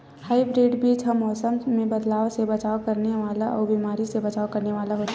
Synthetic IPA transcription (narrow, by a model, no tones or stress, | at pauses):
haːibɾiːɖbiːd͡ʒɦɐmːɔːsəmːẽbɐd̪laːosebɐt͡ʃaːokɐɾneʋaːlaʔɔ̰ːbiːmaːɾisebɐt͡ʃaːokɐɾneʋaːlaɦoːt̪a